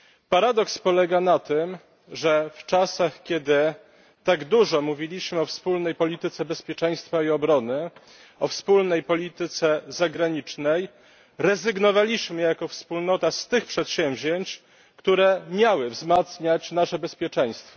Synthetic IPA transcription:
paɾad̪ɔkspɔlɛɡanat̪ɘm | ʐɛft͡ʂasaxkʲɛd̪ɘ | t̪aɡd̪uʐɔmuvʲilʲiɕmɘɔfspulnɛjpɔlʲit̪ɘt̪sɛbɛspʲjɛt͡ʂɛj̃st̪faiɔbɾɔnɘ | ɔfspulnɛjpɔlʲit̪ɘt̪sɛzaɡɾaɲit͡ʂnɛj | ɾɛzɘɡnɔvalʲiɕmɘjakɔfspulnɔt̪ast̪ɘxpʂɛt̪ɕɛ̃mvʲʑeɲt͡ɕ | kt̪uɾɛmʲjawɘvzmat̪sɲat͡ɕnaʂɛbɛspʲjɛt͡ʂɛj̃st̪fɔ̥

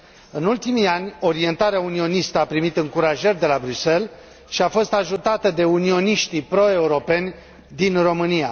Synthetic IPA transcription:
ɨnult̪imianʲo̞ɾie̞nt̪aɾeaunio̞nist̪əapɾimit̪ɨŋkuɾaʒerʲd̪e̞labɾyse̞l | ʃiafo̞st̪aʒut̪at̪əd̪e̞unio̞niʃt̪ipɾo̞e̞uɾo̞pe̞nʲ | d̪inro̞mɨnija̰

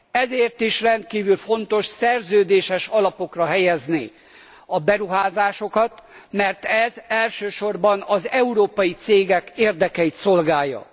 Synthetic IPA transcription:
ɛzeːrt̪iʃrɛnt̪̚kiːvylfo̞nt̪o̞ʃsɛrzøːd̪eːʃɛʃɒlɒpo̞krɒɦɛjɛznḭ | ɒbɛɾuɦaːzaːʃo̞kɒt̪mɛrt̪ɛzɛlʃøːʃo̞rbɒnɒzɛuɾoːpɒjit̪seːɡɛkeːrd̪ɛkɛjit̪so̞lɡaːjːɒ̰

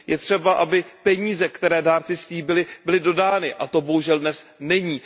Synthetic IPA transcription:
jɛt̪r̝̥ɛbaʔabɪpɛɲiːzɛkt̪ɛɾɛːdaːɾt͡sɪsliːbɪlɪbɪlɪdo̞daːnɪʔat̪o̞bo̞ɦuʒɛldnɛsnɛɲiː

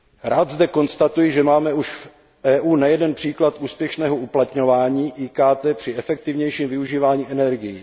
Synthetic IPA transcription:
ɾaːd̪zdɛko̞nst̪at̪ujɪʒɛmaːmɛuʃf | ʔɛːʔuːnajɛdɛnpr̝̥iːklat̪ʔuːspjɛʃnɛːɦouplat̪ɲo̞vaːɲiːʔiːkaːt̪ɛːpr̝̥ɪɛfɛk̚t̪ɪvɲɛjʃiːmvɪuʒiːvaːɲiːʔɛnɛɾɡɪji

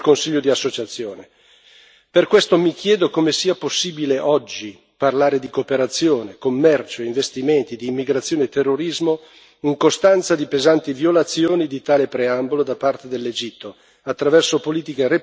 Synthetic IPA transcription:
konsiʎːod̪iasːot͡ʃat̪sːjoːne | perkwest̪omikjɛːd̪okomesiːaposːiːbileʔɔd͡ʒːi | parlaːɾed̪ikoːpeɾat̪sːjoːnekomːɛrt͡ʃoiɱvest̪iment̪id̪iːmːiɡɾat̪sːjoːnet̪ːerːoɾizmo | iŋkost̪ant̪sad̪ipezant̪ivjolat̪sːjoːnid̪it̪aːlepɾeambolod̪apart̪ed̪elːed͡ʒit̪ʰːo | at̪ːɾavɛrsopoliːt̪ikere

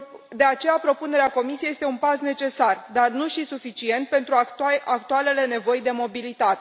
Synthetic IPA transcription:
d̪e̞at͡ʃe̞japɾo̞pune̞ɾeako̞misiejest̪e̞unpasne̞t͡ʃe̞sard̪arnuʃisufit͡ʃie̞nt̪̚pe̞nt̪ɾuakt̪uale̞le̞ne̞vo̞jd̪e̞mo̞bilit̪at̪e

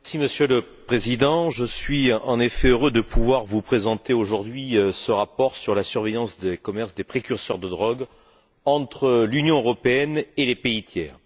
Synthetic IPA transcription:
mɛʁsiməsjøləpχezid̪ɑ̃ʒəsɥiɑ̃nefɛøʁød̪əpuvwaʁvupχezɑ̃t̪eoʒuʁd̪ɥiøsəʁapɔʁsyʁlasyʁvejɑ̃sd̪ekɔmɛʁsd̪epχekʲyʁsœʁd̪əd̪ʁɔɡ | ɑ̃t̪χəlynjɔ̃øʁɔpeɛnelepeit̪jɛ̰ːʁ

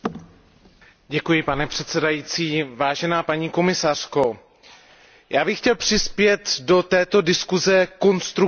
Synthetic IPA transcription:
ɟɛkujɪpanɛpr̝̥ɛt̪sɛdajiːt͡siːvaːʒɛnaːpaɲiːko̞mɪsar̝̥ko̞ | jaːbɪxcɛlpr̝̥ɪspjɛt̪do̞t̪ɛːt̪o̞dɪskuzɛko̞nst̪ɾu

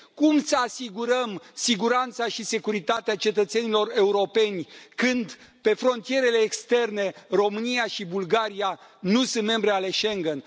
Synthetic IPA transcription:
kumsəasiɡuɾəmsiɡuɾant̪saʃise̞kuɾit̪at̪eat͡ʃe̞t̪ət̪se̞nilo̞re̞uɾo̞pe̞nʲkɨnd̪ | pe̞fɾo̞nt̪ije̞ɾe̞le̞ːkst̪e̞rne̞ro̞mɨnijaʃibulɡaɾijanusɨnt̪me̞mbɾeale̞ʃe̞ŋɡən

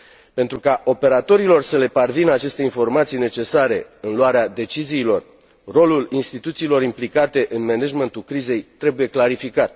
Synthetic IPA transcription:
pe̞nt̪ɾukaʔo̞pe̞ɾat̪o̞ɾilo̞rsəle̞parvinat͡ʃe̞st̪e̞info̞rmat̪sijne̞t͡ʃe̞saɾe̞ɨnluaɾead̪e̞t͡ʃiziːlo̞r | ro̞lulinst̪it̪ut̪siːlo̞ɾimplikat̪e̞ʔɨnmeneʒment̪ulkɾize̞jt̪ɾe̞buje̞klaɾifikat̪̚

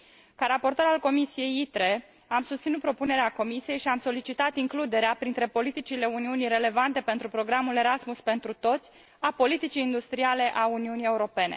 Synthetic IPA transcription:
kaɾapo̞rt̪o̞ɾalko̞misije̞jit̪ɾe̞ | amsust̪sinut̪pɾo̞pune̞ɾeako̞misije̞jʃiamso̞lit͡ʃit̪at̪iŋklud̪e̞ɾeapɾint̪ɾe̞po̞lit̪it͡ʃile̞uniuniɾe̞le̞vant̪e̞pe̞nt̪ɾupɾo̞ɡɾamule̞ɾasmuspe̞nt̪ɾut̪o̞t̪sʲ | apo̞lit̪it͡ʃiːnd̪ust̪ɾiale̞ʔauniunije̞uɾo̞pe̞ne̞̰

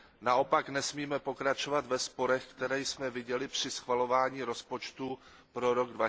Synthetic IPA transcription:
naʔo̞paknɛsmiːmɛpo̞kɾat͡ʃo̞vat̪vɛspo̞ɾɛxkt̪ɛɾɛjsmɛvɪɟɛlɪpr̥ɪsxvalo̞vaːɲiːɾo̞spo̞t͡ʃt̪u | pɾo̞ɾo̞ɡdva

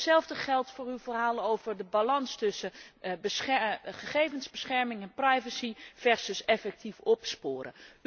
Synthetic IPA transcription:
sɛlˠvdəχɛlˠtfʊːrywvərɦaːlənowvəɹdəbalɑnstɵsəbəɛχəχejvənzbəsχɛɹmɪŋɛnprajvəsiv̥ɛɹsəsɛfɛk̚tifɔpspoːɾə̰

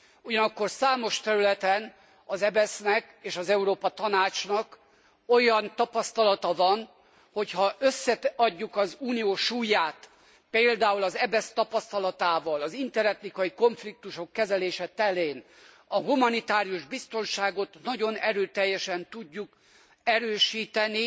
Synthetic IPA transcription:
uɟɒnɒkːo̞rsaːmo̞ʃt̪ɛɾylɛt̪ɛn | ɒzɛbɛsnɛk | eːʃɒzɛuɾoːpɒt̪ɒnaːt͡ʃnɒk | ojɒnt̪ɒpɒst̪ɒlɒt̪ɒvɒn | ho̞chɒøsːɛɒɟːukɒzuːnijoːʃuːjaːt̪ | peːld̪aːulɒzɛbɛst̪ɒpɒst̪ɒlɒt̪aːvɒlɒzint̪ɛɾɛt̪nikɒjiko̞ɱflik̚t̪uʃo̞kːɛzɛleːʃɛt̪ɛleːn | ɒɦumɒnit̪aːɾijuʒbist̪o̞nʃaːɡo̞t̪nɒɟo̞nɛɾøːt̪ɛjːɛʃɛnt̪uɟːuk | ɛɾøːʃiːt̪ɛni

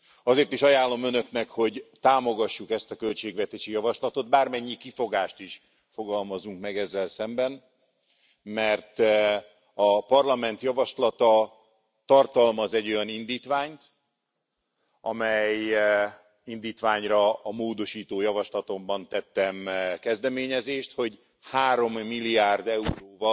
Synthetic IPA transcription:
ɒzeːrt̪iʃɒjaːlːo̞mønø̞knɛkho̞ɟt̪aːmo̞ɡɒʃːukɛst̪ɒkølt͡ʃeːɡvɛt̪eːʃijɒvɒʃlɒt̪o̞d̪̚baːrmɛɲːikifo̞ɡaːʃt̪iʃ | fo̞ɡɒlmɒzuŋkmɛɡɛzːɛlsɛmbɛn | mɛrt̪ | ɒpɒrlɒmɛnt̪jɒvɒʃlɒt̪ɒ | t̪ɒrt̪ɒlmɒzɛɟo̞jɒnind̪iːt̪ʋaːɲt̪ | ɒ̰mɛj | ind̪iːt̪ʋaːɲrɒːmoːd̪o̞ʃiːt̪oːjɒvɒʃlɒt̪o̞mbɒnt̪ɛt̪ːɛmkɛzd̪ɛmeːɲɛzeːʃt̪ho̞ɟ | haːɾo̞mːilːiaːrd̪ɛuɾoːvɒ

